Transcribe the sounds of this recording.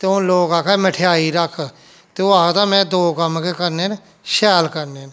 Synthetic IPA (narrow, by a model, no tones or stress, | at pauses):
t̪eːõːloːkaːkʰɛːməʈʰejaːiːɾəkʰ | t̪eːoaːkt̪aːmɛ̃ːd̪oːkəmkekəɾneːn | ʃɛːlkəɾneːn